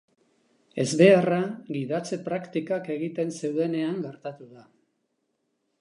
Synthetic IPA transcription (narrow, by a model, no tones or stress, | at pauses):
e̞zβe̞araɣiðat͡se̞pɾakt̪ikake̞ɣit̪e̞nse̞wðe̞ne̞aŋɡe̞ɾt̪at̪uða